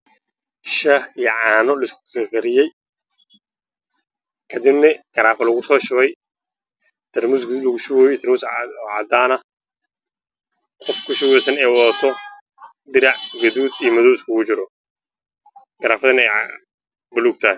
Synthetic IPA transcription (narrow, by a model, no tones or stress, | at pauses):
ʃɐhijɐʕaːnɔlɐɪskʊ̥kʰɐkʰɐɾɪjɛj | kʰɐd̪ɪbnɐɡ̥ɐɾaːfɐlɐɣʊsɔːʃʊwɛj | t̪ʰɐrmusɡlɣʊʃʊwɔːjɔt̪ɐrmʊːsʕa̰d̪aːnɐ | qɔfkʰʊʃʊwɛsɐnɛːwɔt̪ʰɔ | d̪ɪɾɑʕɡɐðuːd̪ijmʊðɔwɪskʊkʊt͡ʃɪɾɔ | ɡ̥ɐɾaːfɐðɐnɛ | bʊluɡt̪ʰaː